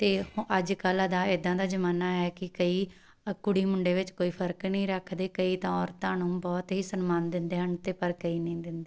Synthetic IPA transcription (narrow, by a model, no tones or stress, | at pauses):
t̪eːhʔəd͡ʒkəlad̪aːɪd̪ãːd̪aːd͡ʒəmaːnaːɛːkɪkəiː | kʊɽiːmʊɳɖeːʋɪt͡ʃkoːiːpʰəɾknĩːɾəkʰd̪eːkəiːt̪ãɔːɾt̪ãːnũːbɔːt̪ɦiːsənmaːnd̪ɪnd̪eːɦənt̪eːpəɾkəiːnəĩːd̪ɪnd̪eː